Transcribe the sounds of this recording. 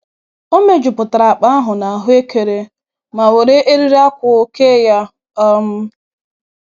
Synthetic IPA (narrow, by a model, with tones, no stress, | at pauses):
o˦me˦d͡ʒʊ˨pʊ˨ta˨ɾa˨a˨k͡pa˦a˦ɦʊ˨na˨a˨ɦʊ˦e˦ke˨ɾe˨ | ma˨we˨ɾe˦ʔe˦ɾi˦ɾa˦kʷʊ˨ke˦ja˦ | ɔ˦m̩˦